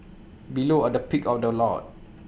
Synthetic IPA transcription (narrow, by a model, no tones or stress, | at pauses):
biloədəpikɔfdəlɔ̰t̚